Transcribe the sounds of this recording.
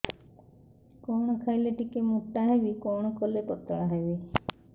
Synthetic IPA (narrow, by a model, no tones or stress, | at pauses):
kɔwɽ̃ɔkʰajleʈikemuʈːaɦebikɔwɽ̃ɔkɔlepɔt̪ːɔɽaɦebi